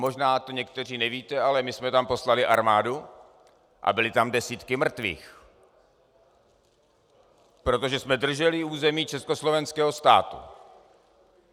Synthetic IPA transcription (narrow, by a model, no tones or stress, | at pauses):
mo̞ʒnaːt̪oɲɛkt̪ɛr̝iːnɛviːt̪ɛalɛmɪsmɛt̪ampo̞slalɪʔaɾmaːdu | ʔa̰bɪlɪt̪amdɛsiːt̪kɪmr̩t̪vḭːx | pɾo̞t̪o̞ʒɛsmɛdr̩ʒɛlɪuːzɛmiːt͡ʃɛsko̞slo̞vɛnskɛːɦo̞st̪a̰ːt̪ṵ